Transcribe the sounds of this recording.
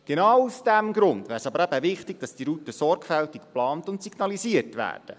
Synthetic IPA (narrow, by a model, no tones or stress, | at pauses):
ɡ̥enɑwusd̥æmɡɾʊndvæːɾsɑbəɾæbəvɪχtɪɡ̚d̥ɑsd̥iɾutəsɔɾɡfɛltikplɑːntʊntsiɡnɑlisiərtʋæ̰ːrd̥ə